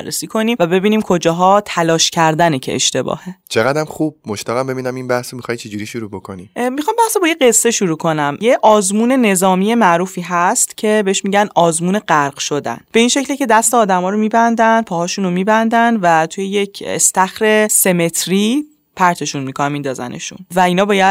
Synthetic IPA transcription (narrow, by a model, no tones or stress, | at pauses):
ærːḛsiːkʰo̞niːmvæbe̞biːniːmkʰo̞d͡ʒɒːɦɒːt̪ʰælɒːʃcʰæɾd̪ænecʰḛḛʃt̪e̞bɒ̰ːhe̞t͡ʃʰeɣæd̪æmχub̥moʃt̪æɣæmbe̞biːnæminbæhsomixɒjt͡ʃʰed͡ʒuɾiʃuɾuːbokʰo̰nimixɒːmbæhsobɒːjeɢe̞sːe̞ʃuɾuːkʰo̞næmjeʔɒːzmuːne̞ne̞zɒːmije̞mæʔɾuːfiːɦæst̪cʰe̞be̞eʃmiːɟænʔɒːzmuːneɢæɾɢʃod̪æ̰nb̥e̞inʃe̞clecʰe̞d̪æst̪eɒːd̪æmɒːɾomiːbænd̪ænpʰɒːhɒːʃuːnomiːbænd̪ænvæt̪ʰujejecʰest̪æxɾe̞se̞me̞t̪ʰɾi | pʰæɾt̪ʰe̞ʃunmikʰonæmiːnd̪ɒːzæ̰nʔḛʃṵnvæinɒːbɒːjæd̪